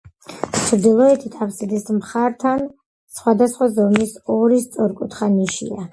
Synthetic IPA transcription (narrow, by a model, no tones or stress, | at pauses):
t͡ʃʰɾd̪ilˠɔɛt̪ʰit̪ʰavsɛd̪ɛsmχaɾt̪ʰan | sχwad̪asχwazɔmisɔɾist̪sʼɔɾkʼut̪ʰχaniʃḭa